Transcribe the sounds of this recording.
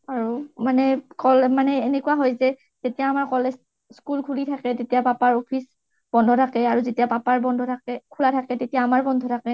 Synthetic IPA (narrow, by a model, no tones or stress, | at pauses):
aɹumanɛkɔlmanɛenekuaɦɔjzɛ | tetijaːmaɹkɔles | skulkʰulitʰakɛtetijapapaɹopʰis | b̥ɔndʱɔtʰakɛaɹuzetijapapaɹbɔndʱɔtʰakɛkʰulatʰakɛtetijaːmaɹbɔndʱɔtʰakɛ